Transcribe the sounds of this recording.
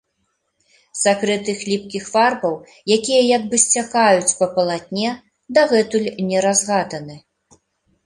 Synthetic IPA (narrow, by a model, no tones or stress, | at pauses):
sakɾɨt̪ɨxlʲipkʲixfarbɐw | jakʲijɐjɐɡbɨsʲt͡sʲakajut͡sʲpɐpɐlˠat̪ʲnʲɛ | d̪aɣɛt̪ulʲnʲɛɾazɣad̪ɐnɨ